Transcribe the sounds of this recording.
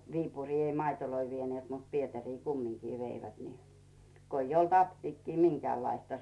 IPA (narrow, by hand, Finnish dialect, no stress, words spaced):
ʋiːpuriː ei mɑitoloi ʋieneːt mut pietæriː kumːiŋkiː ʋeiʋæt ni ko ij olt ɑptiːkːiː miŋkĕæˑlːɑistɑ